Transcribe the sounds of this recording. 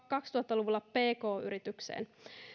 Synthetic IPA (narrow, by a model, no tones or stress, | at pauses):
kɑkst̪uhɑt̪ːɑluʋulːɑpeːko̞ːy̰ɾit̪yksḛːn